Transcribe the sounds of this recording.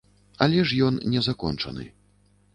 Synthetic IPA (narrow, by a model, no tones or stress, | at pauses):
a̰lʲɛʂjɔnnʲɛzakɔ̰nt͡ʂɐ̰nɨ̰